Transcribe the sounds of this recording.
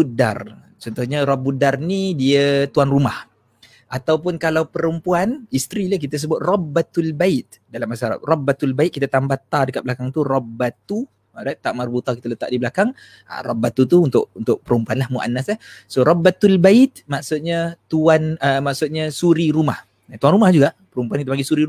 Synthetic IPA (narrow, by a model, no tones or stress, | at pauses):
buda̰r | t͡ʃɔnt̪uhɲarɔbudarnidiət̪uanrumah | ʔat̪awp̬ʊnkalawpəɾəmpuanist̪ɾilahk̬it̪əs̬əbʊt̪̚rɔbat̪ulbaɪt̪̚ | dalamːasaɾa̰rɔbat̪ulbait̪̚kit̪at̪ambat̪adəkat̪̚bəlakaŋt̪urɔbat̪u | adat̪aʔmarbut̪akit̪ələt̪a̰ʔdibəlakaŋ | a̰rɔbːat̪ut̪uunt̪ʊʔunt̪ʊʔpəɾəmpuanlahmuʔa̰nːaslahsoɾɔbːat̪ulbaɪt̪̚maʔsʊt̪̚ɲat̪uanəmaʔsʊt̪̚ɲasuɾiɾumah | at̪uanrumahd͡ʒuɡaʔpəɾumpuankit̪əpaŋɡisuɾiu